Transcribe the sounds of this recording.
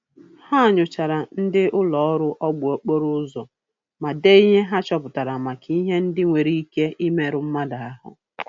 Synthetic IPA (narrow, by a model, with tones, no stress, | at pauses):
ha˦˨ɲʊ˨t͡ʃa˨ɾa˨n̩˦dɪ˦ʔʊ˦lɔ˨ɔ˦ɾʊ˦ʔɔ˦ɡ͡bʊ˨o˨k͡po˦ɾʊ˦zɔ˨ | ma˨de˦i˦ɦe˦ɦa˦t͡ʃɔ˦pʊ˨ta˨ɾa˨ma˨kʰi˦i˦ɦe˦n̩˦dɪ˦ŋʷe˨ɾi˦i˦ke˦ʔi˦me˦ɾʊ˦m̩˦ma˦da˨a˦ɦʊ̰˨